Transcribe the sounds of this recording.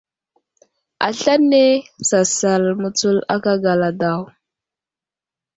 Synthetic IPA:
a̰˨ɬa˦nːe˦sa˨sa˨lmu˨t͡su˦la˦ka˦ɡa˨la˨da˨w

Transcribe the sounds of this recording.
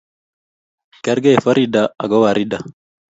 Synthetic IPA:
kɛ˦ɾɡɛ˦fa˦ɾidaa̰˨ɡɔ˦wa˨ɾida

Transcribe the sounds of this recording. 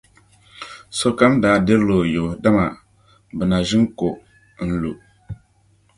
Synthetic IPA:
so˦ka˦mdaː˨˦dɛ˦ɾlo˨jo˨da˦ma˨ | bɨ˨na˨ʒɪ˦ŋ˦ko˨ | n̩˨lu˨

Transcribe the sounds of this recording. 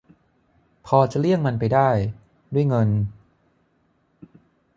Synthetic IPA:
pʰɔː˧t͡ɕa˨lɯ˥˩əŋma˧npa˧jdaː˥˩j | du˥˩əjŋɤ˧n

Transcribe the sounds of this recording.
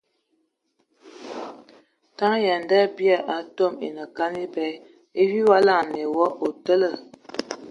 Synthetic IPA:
ta˦ŋ˦ja˨nda˦˨bja˨ʔa˨˦to˦˨mḛ˨nə˨ka˦ni˦pɛ˦ | e˦wi˦wa˦la˦˨ŋ˨ne˨wɔ˦ʔo˨tə˦lə˦˨

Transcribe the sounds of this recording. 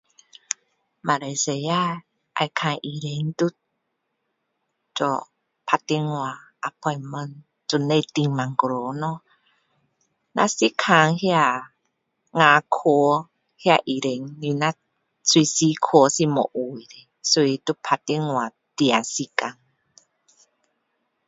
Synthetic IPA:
ma˧ɾe˨˧˨se˧˨ja˦ | ʔa̰˧˨jkʰa˧ŋʔi˧ɾe˧˦ŋt̪u˦ | t͡ʃɔ̰˧ | pʰa˧t̪e˧ŋwa˧ʔa˧˨pʰɔ˧jmə˧˨n | tu˧ne˧t̪i˧ŋma˨ŋkɾo˨˦nɔ˧ | na̰˧si˦kʰa˧˨ŋhi˦a˧˨ | ŋa˧˦kʰo˧˦ | hi˦a˧ʔi˨ɾe˨ŋni˧na˦ | swi˧si˧˦kʰo˧˦si˧mɔ̰˨˧ʔu˨jɾe˧ | su˧i˧t̪u˦˧pʰa˧ti˧ŋwa˨ | t̪i˧a˨si˧ka˧˨ŋ

